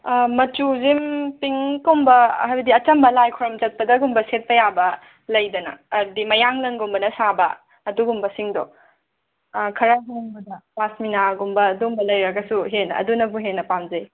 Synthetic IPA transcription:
mɐt͡ʃuzimpiŋkombɐ̰ɦajbɐdiɐt͡ʃɐmbɐlajkʰɔɾɐmd͡ʒɐt̚pɐdɐɡumbɐset̚pɐjabɐ | lɐjdɐnɐ̰ːdimɐjaŋlɐnɡombɐnɐsabɐ̰ː | duɡumbɐsiŋdɔ | kʰɐɾaɦinŋbudɐpasminaɡumbɐːdumbɐlɐjɾɐɡɐsuɦenɐ̰dunɐbuɦenːɐpamzɐj

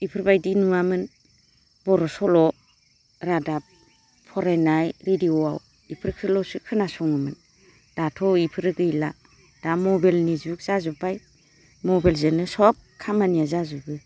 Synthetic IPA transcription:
ipʰɯɾbajdinuamɯn | bɔɾɔsɔlɔ | ɾadap̚ | pʰɔɾenajɾediɔaw | ipʰɯɾkʰɯlɔsɯkʰɯnasɔŋɯmɯn | d̥atʰɔipʰɯɾɯɡɯjla̰ | d̥amɔbelnizuk̚z̥azubaj | mɔbalzenɯsɔp̚kʰamanijazazubɯ

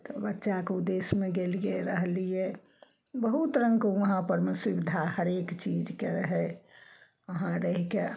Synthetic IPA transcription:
t̪ɔbətːʃakeud̪ːesmeɡelijeɾəɦlijɛ | bəɦut̪ɾə̃ŋkoəɦãpəɾmeswibid̪ʱahəɾekt͡ʃid͡ʒkeɾəɦɛ | əɦãɾəɦike

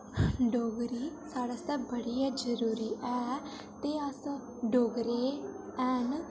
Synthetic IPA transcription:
ɖoːɡɾiːsaːɽasɛːbəɽijaːd͡ʒəɾuːɾiːʔɛː | t̪eːəs | ɖoːɡɾeːɛːn

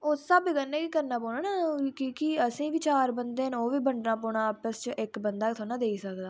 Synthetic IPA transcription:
osəbɡənːɛːkikəɾnaːpoːɳaːnaːkiːkɪəsĩːʋiːt͡ʃaːɾbənd̪eːnoːʋiːbəɳɖnaːpoːɳ̃aːpəst͡ʃʔɪkbənd̪aːkt̪ʰoːnãːd̪eːiːsəkd̪aː

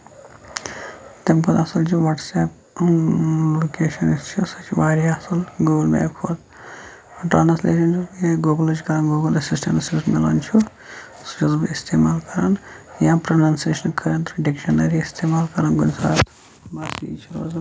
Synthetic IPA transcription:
t̪emkod̪ɐsɐlt͡ʃʰiʋɐʈseːp | loːkeːʃɐnist͡ʃʰusɐt͡ʃʰibaːɾɐsɐlɡoːɡɐlmḛːkʰoːt̪ | ʈɾaːnsleːʃɐnt͡ʃʰujeɡoːɡɐlɐt͡ʃikɐɾaːnɡoːɡɐlɐsisʈɐnɐsisʈmelɐ̰nt͡ʃʰu | su̥t͡ʃɐzbɐist̪ʰeːmaːlkɐɾaːnjãːpɾɐnɐnseːʃɐnkʰɐɾɐnt̪ɾɖekʃɐnɐɾiist̪ʰeːmaːlkɐɾaːnɡunsa̰ːt̪ | baːsit͡ʃʰuɾoːzɐ

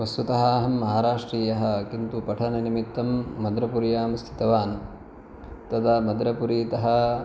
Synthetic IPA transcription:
ʋɐst̪ut̪ɐɦɐɦɐmːɐɦaːɾaːʂʈɾiːjɐɦɐ̆kint̪upɐʈʰɐnɐnimit̪ːɐmːɐd̪ɾɐpuɾjaːmst̪ʰi̥t̪ɐʋaːn | t̪ɐd̪amɐd̪ɾɐpuɾiːt̪ɐɦɐ̆

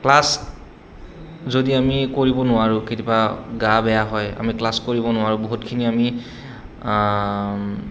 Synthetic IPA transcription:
klas | zodiamikoɹibɔnʊwaɹʊketipaɡabɛjaɦɔja̰miklaskoɹibɔnʊaɹʊboɦutkʰiniami

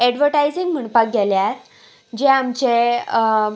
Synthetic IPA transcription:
ɛɖʋəɾʈajd͡ziŋɡm̤əɳpak̚ɡʱeljaɾ | d͡ʑeamt͡ɕe

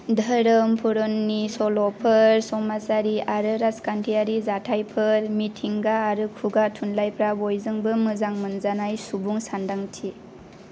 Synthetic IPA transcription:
dʱəɾɯmpʰuɾɔnːisɔlɔpʰɯɾsɔmasaɾiaɾɯɾaskantʰiaɾizatʰajpʰɯɾmitʰiŋɡaːɾɯkʰuɡatʰunlajpʰɾabojzɯŋbɯmɯzaŋmɯnzanajsubuŋsandaŋtʰi

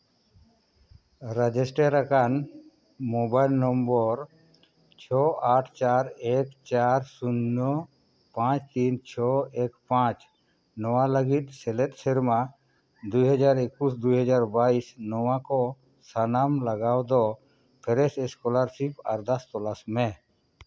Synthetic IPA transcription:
ɾad͡ʒɛsʈeɾakan | mɔbajlnɔmbɔɾ | t͡ʃʰɔaʈʰt͡ʃaɾɛkt͡ʃaɾsunːɔ | pãt͡ʃt̪int͡ʃʰɔɛkpãt͡ʃ | nɔwaləɡit̪̚ˀsɛlɛt̪̚ˀsɛɾma | d̪ujɦad͡ʒaɾekusd̪ujɦad͡ʒaɾbaisnɔwakɔ | sanamlaɡawd̪ɔ | pʰɛɾɛsɛskɔlaɾsipaɾd̪ast̪ɔlasmɛ

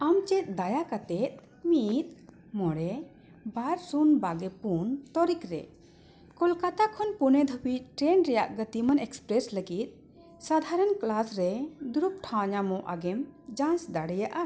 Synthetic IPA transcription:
amt͡ʃɛt̪̚ˀd̪ajakat̪ɛt̪̚ | mit̪̚ | mɔɽɛ | baɾsunbaɡɛpunt̪ɔɾikɾɛ̰ | kɔlkat̪akʰɔnpunɛd̪ʱəbic̚ʈɾɛnɾɛjaʔɡət̪imanɛkspɾɛsləɡit̪̚ | sad̪ʱaɾənklasɾɛd̪uɾup̚ʈʰãɲamɔʔaɡɛmd͡ʒãnsd̪aɽɛjaʔa

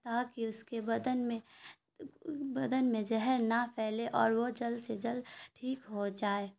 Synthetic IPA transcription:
t̪akiʊskebɐd̪ənmẽ | bɐd̪ənmẽd͡ʒɛɦɛɾnapʰɛːleʔɔːɾʋod͡ʒəlsed͡ʒəlʈʰiːkɦod͡ʒaːe

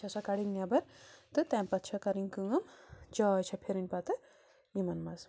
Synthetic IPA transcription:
t͡ʃʰɐsɐkɐɽiŋnjabɐɾt̪ɨt̪ɛmpɐt̪t͡ʃʰɐkɐɾiŋkuŋɐmd͡ʒɐːjt͡ʃʰɐpʰeɾinʲpɐt̪ɐ | imɐnmɐz

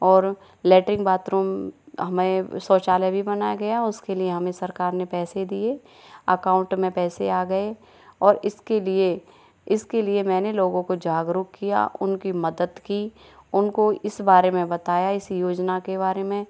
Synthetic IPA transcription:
ɔːɾ | lɛːʈɾɪ̃ŋɡbaːt̪ɾuːmɦɐmẽsɔːt͡ʃaːlebʱibɐnaːjaɡɐjaʊskelieɦɐmẽsɐɾkaːɾnepɛːsed̪ie | ɐkãːʊ̃ɳʈmẽpɛːseaːɡɐe | ɔːɾɪskelie | ɪskeliemɛ̃ːneloːɡõkod͡ʒaːɡɾʊkkːija̰ʔʊnkimɐd̪əd̪kiʊnkoɪsbaːɾemẽbɐt̪aːjaɪsjoːd͡ʒnakeβaːɾemẽ

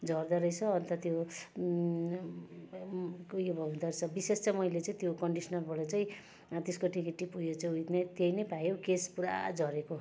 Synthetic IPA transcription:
d͡zʱʌrd̪ʌɾʌjt͡sʰʌːnt̪ʌt̪jo | kjobʱʌũnd̪ʌrt͡sʰʌbisest͡sajmʌjlet͡saĩt̪jokʌɳɖisʌnʌrbʌɽʌt͡saĩ | t̪eskoʈikiʈːipujot͡saj̃ujt̪net̪ejnʌjpajokespuɾa̰d͡zʱʌɾeko

